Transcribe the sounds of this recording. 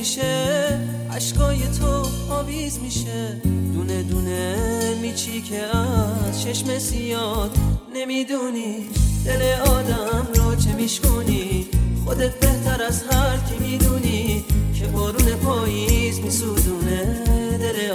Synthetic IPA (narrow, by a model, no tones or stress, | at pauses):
iʃe | æʃɡɒːjet̪ʰo | ɒːviːzmiːʃe | d̪uːned̪unemiːt͡ʃʰiːcʰeæzt͡ʃʰeʃmesijɒːd̪ne̞miːd̪uːniʃd̪eleɒːd̪æmɾɔːt͡ʃʰemiːʃkoniːxod̪et̪̚ʰbe̞ht̪ʰæɾæzhæɾkʰemiːd̪uːniːcʰebɔːɾuːnepʰɒːjizmisuːd̪uːned̪ele